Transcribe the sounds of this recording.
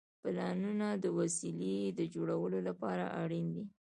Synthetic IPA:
plɑnunad̪əwasiled̪əd͡ʒoɽawəlolapɑɾa̰ʔa̰ɽind̪i

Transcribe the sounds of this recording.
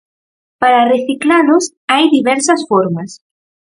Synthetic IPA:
paɾareθiklalʊs | ajðiβɛɾsɐsfoɾmas

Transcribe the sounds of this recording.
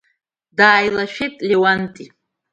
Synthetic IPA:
d̪aːjlˠaʃɪt̪ʼlewant̪ʼi

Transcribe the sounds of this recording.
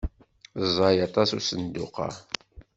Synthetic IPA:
zˤɑjɑt̪ˤɑsusənd̪ʊ̰qɑ̰

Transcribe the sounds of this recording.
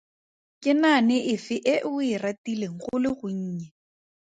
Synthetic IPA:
kʼɪnanɪʔɪfɪʔɪʔɪratileŋ̩χʊlɪχʊɲ̩ːɲɛ

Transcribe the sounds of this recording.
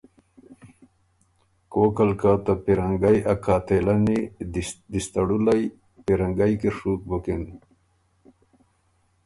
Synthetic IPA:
koːkalkat̪apiɾaŋɡajakʰaːt̪elanid̪ist̪aɽulaj | piɾaŋɡajkiʂuːk̚bokeni

